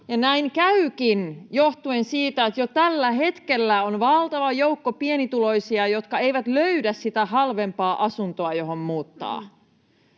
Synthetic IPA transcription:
jɑnæiŋkæykinjoht̪uensiːt̪æet̪jot̪ælːæɦe̞t̪kelːæonʋɑlt̪ɑʋɑjoukːopienit̪ulo̞jsiɑjo̞t̪kɑe̞ijʋæt̪løydæssit̪æhɑlʋempɑːʔɑsunt̪oɑjo̞ɦommuːt̪ːɑ̰ː

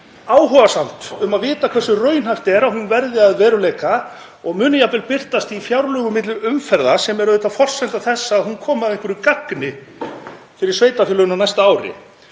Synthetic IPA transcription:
aːwɦɔvasam̥t̪ʏmaðvɪːt̪akʰv̥ɛrsʏrœːɥjnhajft̪ɛɾawhʏnvɛɾðɪaðvɛːɾʏleːjka | ɔɣmʏːnɪjapɛlpɪr̥t̪ast̪ifjawɾlœːɣʏmɪt̪̬lʏʏmfɛɾðasɛmɛɾʏðɪːt̪afɔr̥sɛnt̪aθɛsːaːðhunkʰɔːmaðeŋkvɛɾikaknɪ | fɪɾɪɾsveːjt̪afʏːlʏɣʏnawnajst̪aaːwɾɪ̰

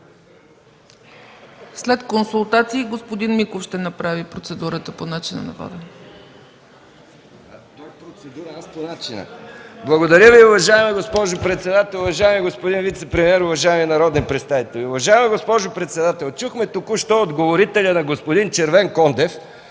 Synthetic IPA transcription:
slɛt̪konsulˠt̪at̪siːɡospod̪inmikofʃt̪ɛnɐpɾavipɾot̪sɛd̪uɾət̪əponat͡ʃinə̰nɐ̰vɔ̰d̪ə | t̪ɔjpɾot̪sɛd̪uɾɐasponat͡ʃinə̰blˠɐɡod̪ɐɾʲjəviʊvɐʒaɛmɛɡospɔʒʊpɾɛt̪sɛd̪at̪ɛlˠʊvɐʒaɛmiɡospod̪invit̪sɛpɾɛmiɛɾʊvɐʒaɛminɐɾɔd̪nipɾɛt̪st̪avit̪ɛlʲiʊvɐʒaɛmɛɡospɔʒʊpɾɛt̪sɛd̪at̪ɛlˠt͡ʃuxmɛt̪okʊʃt̪ɔod̪ɡovoɾit̪ɛlʲənɐɡospod̪int͡ʃɛɾvɛŋkɔnd̪ɛf

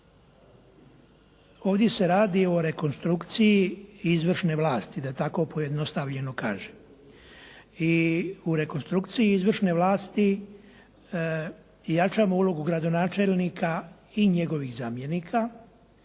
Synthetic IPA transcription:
o̞ːʋd̪je̞se̞ɾaːd̪io̞ɾe̞ko̞nst̪ɾukt̪sijiizʋr̩ʃne̞ʋlˠaːst̪id̪at̪ako̞po̞je̞d̪no̞st̪aʋʎe̞no̞ka̰ːʒe | iuɾe̞ko̞nst̪ɾukt̪sijiizʋr̩ʃne̞ʋlaːst̪i | jat͡ʃaːmoulo̞ɡuɡɾad̪o̞naːt͡ʃe̞lnikʰa | iɲe̞ɡo̞ʋiɣzaːmje̞nikʰa

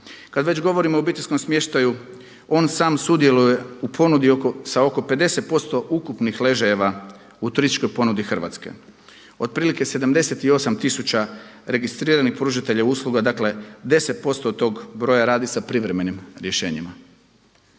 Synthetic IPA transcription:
kad̪ʋe̞t͡ɕɡo̞ʋo̞ɾimo̞ːbit̪eʎʲsko̞msmje̞ʃt̪aju | o̞ːnsaːmsud̪je̞luje̞upʰo̞nud̪ioosao̞ko̞pe̞d̪e̞se̞t̪̚po̞st̪o̞ʔukupnixle̞ʒejeʋa | ut̪uɾist̪i̥t͡ʃko̞jpo̞nud̪ixr̩ʋa̰t̪ske̞̰ | o̞d̪̚pɾiːlike̞se̞d̪amd̪ese̞t̪io̞samt̪isut͡ɕaɾe̞ɡist̪ɾiːɾanixpɾuʒit̪e̞ʎauːslˠuɡad̪akle̞d̪e̞se̞t̪̚po̞st̪ot̪ːo̞ːɡbɾo̞jaɾaːd̪isapɾiʋɾeme̞nimɾje̞ʃe̞ːɲima

